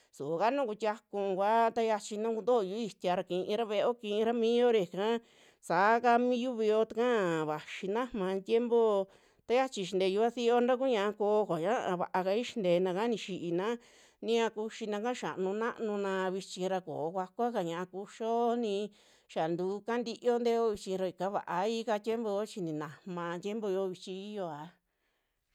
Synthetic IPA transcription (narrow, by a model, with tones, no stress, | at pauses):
su˨ka˦nũ˦ku˧t̪ʲa˧kũ˧kʷa˦t̪a˦ja˧t͡ʃi˧nũ˦ku˧nd̪o˦˧˨ju˦i˧t̪ʲa˧ɾa˧kĩ˧ʔĩ˧ɾa˦βe˧o˦kĩ˧ĩ˧ɾa˦mĩː˦jo˦ɾe˧˨kã˦ | sa˨˦ka˧mĩ˦ju˦βi˧jo˦t̪a˧kã˦βa˨ʃi˧nã˦mã˧t̪ʲje˦mbo˦ | t̪a˦ja˦t͡ʃi˧ʃ̬i˧nd̪e˧ju˧βa˦θi˦o˦nɾa˦k̬u˦ɲã˧ʔa˧ko˧kʷa˨ɲã˦a˧βa˧ʔa˧ka˧i˦ʃi̥˧nd̪eː˧nã˧ka˦nĩ˧ʃi˧ʔi˧nã˦ | nĩ˦ã˧ku˧ʃi˧nã˧kã˦ʃa̰˨˧nũ˧nã˦ʔnũ˧nã˧βi˧t͡ʃĩ˧ɾa˧ko̰ː˨˧kʷa˧kʷa˦ka˨ɲã˧˨ʔa˧ku˧ʃo˦nĩ˧ | ʃa˨nd̪uː˨˦ka˦nd̪i˧ʔo˦nd̪e˦o˦βi˧t͡ʃĩ˧ɾo˧i˨ka˦βa̰˨ʔa˧i˦ka˧t̪ʲje˦mbo˧jo˦t͡ʃi˧nĩ˨nã˨hmã˧t̪ʲe˦mbo˧jo˧˦βi˧t͡ʃĩ˧i˦jo˧a˨˧